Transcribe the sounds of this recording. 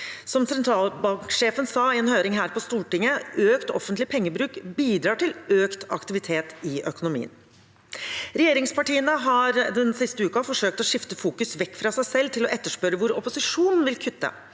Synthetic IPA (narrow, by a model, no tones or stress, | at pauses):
sɔmsɛnt̪ʰɾɑːlbɑŋkʂeːfənsɑːɪɛːnhøːɾɪŋɦæːɾpɔst̪uːʈɪŋəøːkt̪ɔ̰fənt̪lɪpʰɛŋːəbɾʉːkbiːd̪ɾɑːʈɪløːkt̪ɑ̰kt̪ɪʋɪt̪ʰeːt̪ɪʔœkʊnʊmḭːə̰n | ɾɛjeːɾɪŋspʰɑʈiːənəɦɑɾd̪ɛnsɪst̪əʉːkɑfɔʂøːk̚t̪ɔʂɪft̪əfuːkʉsʋɛkːfɾɑsæɪsɛlːt̪ʰɪlɔʔɛt̪ːəʂpœɾəʋʊɾɔpʊsɪʂuːnn̩ʋɪlkʰʏt̪ːə̰